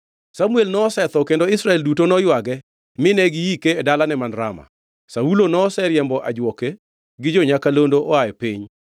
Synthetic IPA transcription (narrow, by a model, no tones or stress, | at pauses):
samuelnɔːsɛt̪ɔkendoɪsɾaɛldutonɔjwaɡɛ | mɪnɛɡɪjikeːdalanɛmanɾa̰ma̰ | saulonɔsɛɾjɛmbɔʔa̰d͡ʒwɔke | ɡɪd͡ʒɔɲakalondoʔɔajɛpiɲ